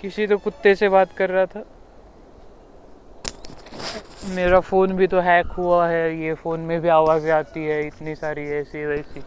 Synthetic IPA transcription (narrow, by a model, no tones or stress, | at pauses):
kɪsit̪okʊt̪ːeseβaːt̪kɐɾːɐɦat̪ʰaː | meːɾafoːnbʱit̪oɦɛːkɦuaɦɛjefoːnmẽbʱiaːʋaːziaːt̪iɦɛɪt̪nisaːɾiɛːsiɦɛːsi